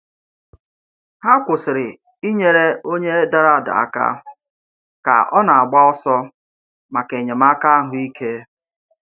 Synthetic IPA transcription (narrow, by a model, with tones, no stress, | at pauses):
ha˦kʷʊ˨sɪ˨ɾɪ˨ | i˦ɲe˨ɾe˦o˦ɲe˦da˦ɾa˦˨da̰˨a̰˨ka̰˦ | ka̰˨ʔɔ˦na˨a˨ɡ͡ba˦ɔ˦sɔ˦ | ma˨ke˨ɲe˨ma˦ka˦a˦ɦʊ˦i˦kʰe˦